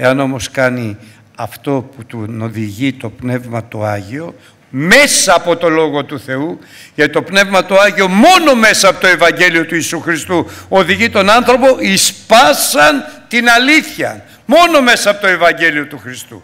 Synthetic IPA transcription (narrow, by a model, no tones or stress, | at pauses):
e̞ɐno̞mo̞skɐni | ɐft̪o̞put̪uno̞ðiʝit̪o̞pne̞vmɐt̪o̰ɐʝio̞ | me̞sɐːpo̞t̪o̞lo̞ɣo̞t̪uθe̞u | ʝɐt̪it̪opne̞vmɐt̪oɐʝio̞mo̞no̞me̞sɐɐpot̪oe̞vɐɲɟe̞lio̞t̪uisuxɾist̪uo̞ðiʝit̪o̞nɐnθɾo̞po̞ʔispɐsɐnt̪inɐliθçɐ | mo̞no̞me̞sɐːpot̪oe̞vɐɲɟe̞lio̞t̪uxɾist̪ṵ